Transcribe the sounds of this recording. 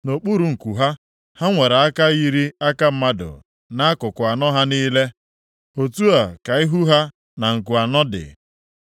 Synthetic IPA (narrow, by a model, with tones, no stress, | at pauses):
no˨k͡pu˦ɾu˨ŋ̩˨ku˨ɦa˦ | ha˦ŋʷe˨ɾa˨a˦ka˦ɣi˦ɾi˦a˦ka˦m̩˦ma˦dʊ̰˨ | na˦a˦kʊ˨kʊ˨a˨nɔ˦ɦa˦niː˦le˦ | o˨tu˦a˨ka˨ɪ˦ɦu˦ɦa˦ | na˨ŋ̩˨ku˨a˨nɔ˦dɪ̰˨